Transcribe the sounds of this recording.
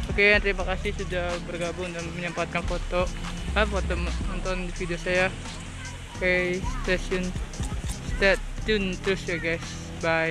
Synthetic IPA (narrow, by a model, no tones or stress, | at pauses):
okeant̪əɾimakasɪhsudabərɡabʊŋnd̪ŋməɲəmpat̪̚kanfot̪oafot̪ommɔnt̪ɔndifidiosaja | okest̪asiɔn | st̪ɛt̪ːunt̪ɾʊsjaɡajs | baj